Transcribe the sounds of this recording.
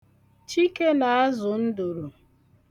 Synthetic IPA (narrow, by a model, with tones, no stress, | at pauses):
t͡ʃi˦ke˦na˨a˦zʊ˨n̩˦du˨ɾu˨